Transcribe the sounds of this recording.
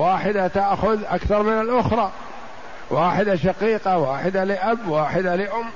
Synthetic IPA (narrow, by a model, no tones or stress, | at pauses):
waːħɪd̪at̪aʔxʊðʔakθɑɾˤmɪnɪlʔʊxɾˤɑː | waːħɪd̪aʃaqiːqawaːħɪd̪alɪʔabːwaːħɪd̪alɪʔʊmː